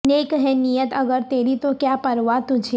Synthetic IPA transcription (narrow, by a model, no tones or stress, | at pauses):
neːkɦɛnijət̪ɐɡəɾt̪eːɾit̪okjapɐɾʋat̪ʊd͡ʒʱe